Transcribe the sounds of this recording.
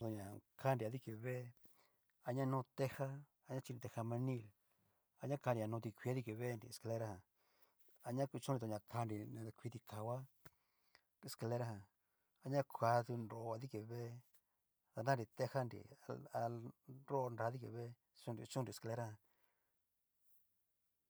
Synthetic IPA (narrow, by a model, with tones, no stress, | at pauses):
t̪o˧ɲã˨kʰa˦nɾi˨a˧ði˦ke˧βe˦ | a˧ɲã˦nũ˦˧t̪e˧ha˦ | a˧ɲã˦t͡ʃi˧ni˧t̪e˧ha˧mã˧nĩ˦˧˨l | a˧ɲã˦ka˧ɾi˧a˧nũ˧t̪i˧kʷi˧a˦ði˦ke˧βe˦˧nɾḭ˧˨e˨ska˧le˧ɾa˦hã˧ | a˧ɲã˦kʷi˧t͡ʃũ˦nɾi˧o˧ɲã˧kʰa˧nɾĩ˧kʷi˧t̪i˧kʰa˨wa˦ | e˧˨ska˧le˧ɾa˦hã˧ | a˧ɲã˦kʰʷa˧ðu˧nɾo˧˨˧a˧ði˦ke˧βe˦ | ða˧nã˦˧ɾi˧˨t̪e˧ha˦nɾḭ˧a˧a˧ɾo˦˧nɾa˧ði˦kḛ˧βe˦ | t͡ʃũ˧nɾḭ˧t͡ʃũ˦nɾi˧˨ska˧le˧ɾa˦hã˧˨